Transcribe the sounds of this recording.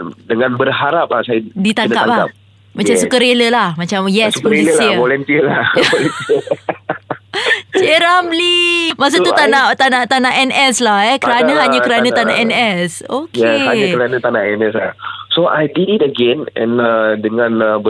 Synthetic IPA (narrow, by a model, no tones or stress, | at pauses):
dəŋãnbərɦaɾap̚lahsajədit̪aŋnkalaa̰p̚ | mat͡ʃamsukəɾeləlahmat͡ʃamjɛsukəɾeləliəvolənt̪iəlavɔlɛnt̪iə | t͡ʃeɾamlimas̬ət̪ut̪anat̪anãt̪anaʔɛnɛslahɛkəɾanə̃ɦaɲakəɾanə̃t̪anaʔɛnɛsokjɛshakəɾanə̃t̪anãɛnɛslasoʔajdididəɡɛnɛ̰̃nədəŋãnəbə